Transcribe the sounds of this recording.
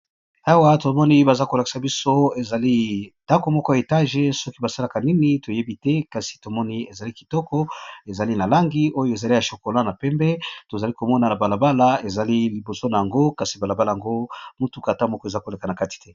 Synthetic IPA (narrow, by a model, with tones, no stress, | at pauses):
a˦wa˦to˨mɔ˦ni˦ba˨za˦ko˨la˨ki̥˨sa˨bi˦so˦e˨za˨li˦d̥a˦ko˨mɔ˦kɔ˦ja˨e˨ta˦ʒe˦sɔ˦ki˦ba˨sa˦la˨ka˨ni˦ni˦to˨je˦bi˦tɛ˦ka˨si̥˨to˨mɔ˦ni˦e˨za˨li˦ki̥˨tɔ˦kɔ˦e˨za˨li˦na˨la˦ŋɡi˦o˦jo˦e˨za˨li˦ja˨ʃo˨ko˨la˦na˨pɛ˦mbɛ˦to˨za˨li˦ko˨mɔ˦na˨na˨ba˨la˨ba˦la˦e˨za˨li˦li˨bo˨so˦na˨ja˨ŋɡo˦ka˨si˨ba˨la˨ba˦la˨a˨ŋɡo˦mu˦tu˦ka˨ta˦mɔ˦kɔ˦e˨za˦ko˨le˨ka˨na˨ka˦ti̥˨tɛ˦